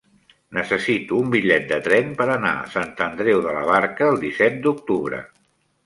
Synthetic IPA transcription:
nəsəsit̪uːmbiʎɛt̪̚d̪ət̪ɾɛmpəɾəna̰ə̰sant̪ənd̪ɾɛwðələ̰βaɾkəːlˠd̪isɛt̪̚d̪uk̚t̪uβɾə̰

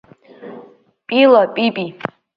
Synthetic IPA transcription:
pʼilapʼipʼi

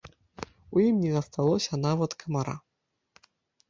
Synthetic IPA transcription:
ujimnʲɛzɐst̪alˠɔsʲɐnavɐt̪kʰɐmaɾa̰

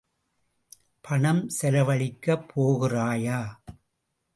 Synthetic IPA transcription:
pʰɐɳɐmsɛlɐʋɐɭɪkːɐpʰːoːɣɪraːjaː

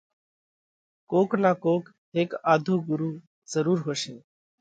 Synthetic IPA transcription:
koːknaːkoːk | ɦeːkaːd̪ʱoːɡʊɾuː | zəɾuːɾɦoːʃeː

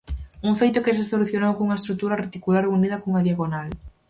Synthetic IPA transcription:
uŋfejt̪ʊkɪs̬esoluθjonowkuŋɐest̪ɾuk̚t̪uɾɐret̪ikulaɾouniðɐkoŋaðjaɣonal

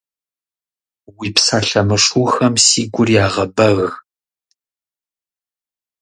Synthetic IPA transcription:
wiːpsaːɬɐmɨʂuːxɐmsiːɡʷʊrjaːʁɐbɐɣɣ

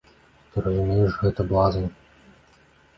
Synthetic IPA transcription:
p̪ɨɾɐzumʲijuʐɣɛt̪ɐblˠazɐnʲ

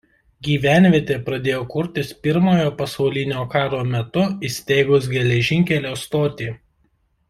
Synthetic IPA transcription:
ɡʲiːʋʲæˑnʲʋʲiɛt̪ʲeːpɾɐd̪ʲeːjoːkʊɾʲt̪ʲɪspʲɪɾmoːjoːpɐsɐʊlʲɪnʲoːkɑːɾoːmʲɛt̪ʊisʲt̪ʲeːɡʊs̬ɡʲɛlʲɛʒʲɪŋʲkʲɛlʲoːst̪oːt̪ʲeː

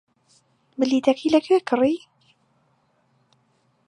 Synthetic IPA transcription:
bɨliːt̪ɐkʰiːlɐkʰweːkʰɨriː

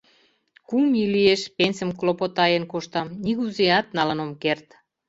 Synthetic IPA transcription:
kumilieʃpenʲsə̆mklopot̪ɑjənkoʃt̪ɑmniɣuzeɑt̪nɑlənomkert̪

